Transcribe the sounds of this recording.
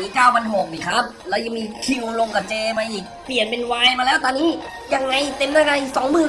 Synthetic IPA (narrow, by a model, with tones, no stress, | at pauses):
niː˦˥kaː˥˩wʰa˧nɦo˨˩k̚niː˨˩kʰa˦˥p̚lɛː˦˥wja˧ŋmiː˧t̪ʰiː˧˥˩ʔo˧lo˧ŋka˧˩t͡ɕeː˧ma˧ʔiː˨˩k̚pli˨˩ənpe˧nwaː˧jmaː˧lɛː˦˥wt̪ɔː˧nːiː˦˥ | ja˧ŋːa˧jt̪e˧mnaː˥˩ka˧ʔiː˨˩ksɔː˩˦ŋmɯː˨˩n